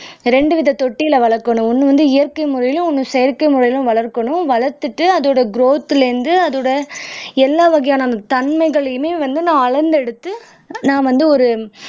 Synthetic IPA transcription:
ɾɛɳɖɯʋɪðɐt̪ɔʈːɪjɪlɐʋɐɭɐɾkːɐɳʊ̃ɔnːɯʋɐnd̪ɯɪjɐɾkɐɪmʊɾɐjɪlʊ̃ɔnːɯsɛjɐɾkɐɪmʊɾɐjɪlʊ̃ʋɐɭɐɾkːɐɳʊ̃ʋɐɭɐɾt̪ːɯʈːɯɐðoːɽɐɡɾoːt̪ːɯlɛɾɯnd̪ɯɐðoːɽɐɛlːaːʋɐɣɐjaːnɐt̪ɐnmɐɪɣɐɭmeːʋɐnd̪ɯnãːɐɭɐɾnd̪ɛɽɯt̪ːɯ | nãːʋɐnd̪ɯɔɾɯ

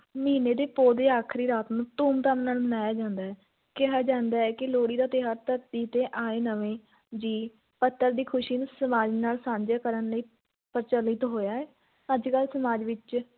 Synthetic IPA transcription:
miːneːd̪eːpoːd̪eːaːkʰɾiːɾaːt̪nũːt̪ũːmd̪aːmnaːlbənaːjaːd͡ʒãːnd̪aːɛː | kɛɦaːd͡ʒãːnd̪aːɛːkɪloːɽiːd̪aːt̪ɪɦaːɾt̪əɾt̪iːt̪ẽːʔaːeːnəʋẽː | d͡ʒiː | pət̪ːəɾd̪iːkʰʊʃiːnːsəmaːd͡ʒnaːlsãːɲd͡ʒaːkəɾənləiː | pəɾt͡ʃəlɪt̪ɦoːjaːɛː | əd͡ʒkəlsəmaːd͡ʒʋɪt͡ʃ

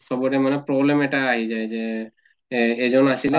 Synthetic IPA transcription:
sɔbɔɾɛmanɛpɾɔblemeʈaːɦid͡ʒajze | zɔnasil

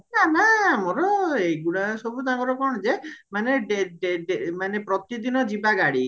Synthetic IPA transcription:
nanamoɾɔejɡuɽasɔbʱut̪aɡɔɾɔkɔɳ̃ɔd͡ʒemaneɖeɖeɖemanepɾɔt̪id̪inɔd͡ʒibaɡaɽi

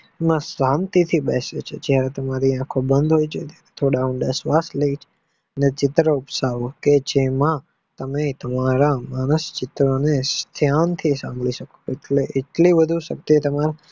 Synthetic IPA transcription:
mãsant̪it̪ʰibɛsḛt͡ʃʰed͡ʒjaɾet̪əmaɾiãkʰobənd̪ɦojt͡ʃʰet̪jaɾet̪ʰoɽaũɳɖasʋasləit͡ʃʰe̥ | ənet͡ʃɪt̪ɾəupsaʋoked͡ʒemã | t̪əmet̪əmaɾamanəst͡ʃɪt̪ɾonest̪ʰjant̪ʰisã̰mbɭiʃəkoeʈleʔeʈliʋəd̪ʱuʃək̚t̪et̪əmaɾa

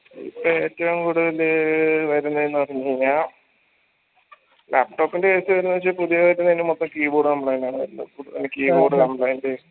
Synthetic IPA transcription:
ḭpːoe̞ːtːɐʋɐmkuːɽuðɐlʋɐɾunːɐðenːɨɐɽiɲːɲa | lʔaːp̚ʈo̞ːpːindekesɨʋɐɾunːɐʋɐt͡ɕːɨpuðijɐʋɐɾunːɐinːemot̪ːɐmkiːboːɽɨkɐmblajndaːɳɨʋɐɾulːɐ̰kuɽuḛnːekʲːiːboːɽɨkɐmbɭɐjndɨ

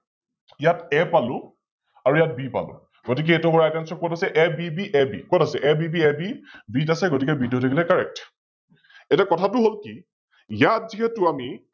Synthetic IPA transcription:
ijatɛpalʊ̃ | aɹujat̚bipa̰lʊ̰̃ | ɡotik̬ɛɛtɔbɔɹaɛkansɔkɔtasɛʔɛbibiʔɛbḭkwɔtasɛʔɛbibiɛbibitasɛɡotikɛbitotʰakilɛkaɹɛk̚t | ɛtɛkɔtʰatʊɦolki | jatziɦɛtʊami

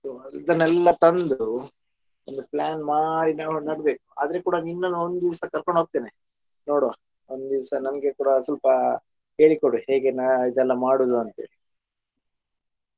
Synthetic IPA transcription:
soːid̪ɐnːɛlːɐt̪ɐnd̪u | ond̪upɭaːnmaːɽinaːʋunɐɽbe̞ːku̥a̰ːd̪ɐɾekuːɽɐninːɐnond̪d̪iʋsɐkɐɾkoɳɖɦoːɡ̚t̪eːne | no̞ːɽʋa | ond̪d̪iʋsɐnɐmɡe̞kuːɽɐsɐlpɐ | ɦe̞ːɭikoɽuheːɡe̞nɐid̪ɛlːɐmaːɽuːd̪uɐnt̪ɐḛːɭi

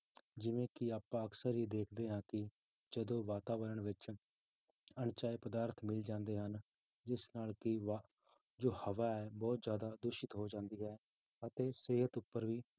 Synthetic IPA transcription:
d͡ʒɪʋẽːkɪaːpãːəksəɾɦid̪eːkʰd̪eːɦãːkɪ | d͡ʒəd̪õːʋaːt̪aːʋəɾəɳʋɪt͡ʃ | ənt͡ʃaːiːpəd̪aːɾt̪ʰmɪld͡ʒãːnd̪eːɦən | d͡ʒɪsnaːlkɪʋa | d͡ʒoːhəʋaːɛːbɔːt̪zjaːd̪aːd̪ʊʃɪt̪ɦoːd͡ʒãːnd̪iːɦɛː | ət̪eːseːɦət̪ʊpːəɾʋiː

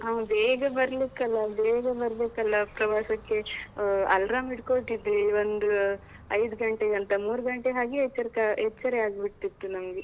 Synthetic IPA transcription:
ɦaːbeːɡɐbɐɾlikːɐlːɐbeːɡɐbɐɾlikɐlːɐpɾɐʋaːʃɐkːe̞ɐlɾaːmiʈkoʈid̪ɾiond̪u | ɐjd̪uɡɐɳʈeɡɐnt̪ɐmuːɾuɡɐɳʈeɦaːɡiɛt͡ʃːɐɾkaet͡ʃːɐɾeaːɡbiʈt̪it̪ːunɐmɐɡe

